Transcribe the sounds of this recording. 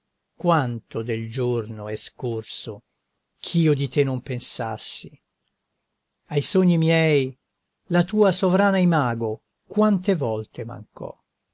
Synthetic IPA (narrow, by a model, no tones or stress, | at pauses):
kwant̪od̪eld͡ʒornoɛskorso | kʰiːod̪it̪enːompensa̰sːi | ajsoɲːimjɛj | lat̪uːasovɾaːnaimaːɡo | kwant̪evɔlt̪ema̰ŋkʰɔ̰